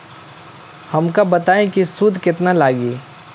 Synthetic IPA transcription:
hɐmkabɐt̪aːẽkisud̪ʱkɪt̪nalaːɡiː

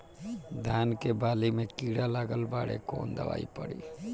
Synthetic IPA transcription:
d̪ʱankebalimekiɽalaɡəlbaɽḛko̰nd̪ə̰ʋa̰ipəɽḭ

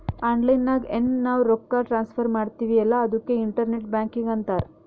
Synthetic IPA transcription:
aːɳɖlɐjnːaːɡennaːʋɾokːaːʈɾaːnspʰɐɾmaːɽt̪iːʋiɛlːɐɐd̪ukːeiɳʈɐɾneʈ̚bjaːŋkiŋɡɐnt̪aːɾ

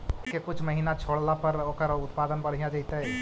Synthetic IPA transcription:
kekʊt͡ʃʰmɐɦiːnat͡ʃʰoːɽlapɐɾoːkəɾɔɾʊt̪paːd̪ənbɐɽ̤ijãt͡ʃaːɦit̪aɦɛ

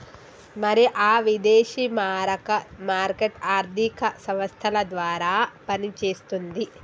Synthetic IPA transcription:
mɐɾiʔaːʋid̪eːʃimaːɾɐkɐmaːɾkeʈaːɾd̪ʱikɐsɐ̃mʋɐst̪ʰɐlɐd̪ʋaːɾaːpɐnit͡ʃe̞ːst̪und̪i

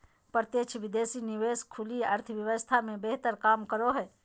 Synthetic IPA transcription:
pəɾt̪jet͡ʃʰʋɪd̪eːsinɪʋeːskʰʊliɐɾt̪ʰəʋjɐʋəst̪ʰamẽbeɦt̪əɾkaːmkəɾoɦɛː

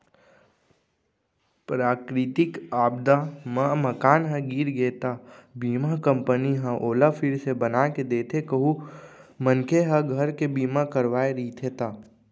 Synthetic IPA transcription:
pɾaːkɾɪt̪ɪkaːb̚d̪amə̃məkaːnɦə̃ɡiːɾɡeːt̪aːbiːmakə̃mpəniɦə̃ʔoːlafʰɪɾsebənaked̪eːt̪ʰekəɦu | mənkʰeɦəɡʱəɾkebiːmakəɾʋaːeɾit̪ʰet̪aː

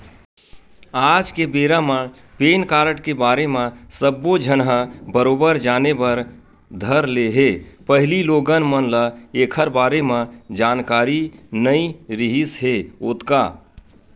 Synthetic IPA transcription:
ad͡ʒkebeːɾamə | peːnkaːɾəʈkebaːɾemẽsəbːod͡ʒʱənɦəbəɾoːbəɾd͡ʒaːnebəɾ | d̪ʱəɾleɦepəɦɪliloːɡənmənləekʰəɾbaːɾemẽd͡ʒaːnkaːɾinəiɾiɦisɦeoːt̪ka̰

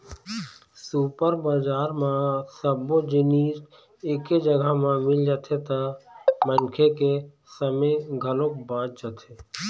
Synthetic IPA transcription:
supəɾbaːd͡ʒaːɾmãsəbod͡ʒɪniːs | eːked͡ʒəɡəmãmɪld͡ʒat̪ʰet̪amənkʰeke | səmeɡʱəlõkbãːt͡ʃd͡ʒat̪ʰe

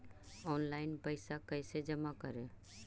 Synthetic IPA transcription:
ɔːnlaɪnpəɪsakəɪsed͡ʒəmakəɾe

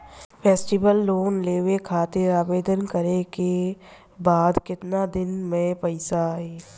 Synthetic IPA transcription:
pʰeːsʈɪbəlːoːnleːʋekʰaːt̪ɪɾaːbeːd̪ənkəɾeke | baːd̪kɪt̪nad̪ɪnmẽpɐɪsaeː

